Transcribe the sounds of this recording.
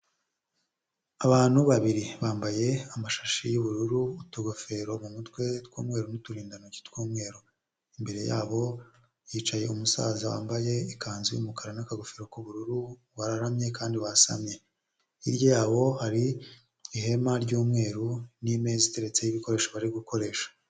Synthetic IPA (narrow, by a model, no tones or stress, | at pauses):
aβaːn̥huβaβiɾiβaːmbaje̞amaʃḁʃijuβuɾuɾuːtuɡo̞fe̞ɾo̞mumutwe̞tkuːmŋe̞ːɾunutuɾiːndanoɟi̥tkuːmŋe̞ːɾo | imbe̞ɾe̞jaːβo̞ | jiːt͡ʃaje̞umusa̰ːzawa̰ːmbaje̞ikʰaːnzijṵmukaɾanakaɡo̞feɾo̞kuβuɾuɾu | βaɾaɾamɲe̞kaːndiβaɾasa̰mɲe̞ | iɾjojaːβo̞haɾiː | he̞maɾɟuːmŋe̞ːɾunime̞zite̞ɾe̞t͡se̞jiβiko̞ɾe̞ːʃaβaɾiɡuko̞ɾe̞ːʃḁ